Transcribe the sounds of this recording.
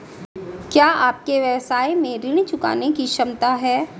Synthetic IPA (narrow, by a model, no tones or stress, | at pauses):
kjaːaːp̚keʋjɐʋsaːjmẽɾɪɽ̃it͡ʃʊka̰ːnekiʃɐmt̪aɦɛː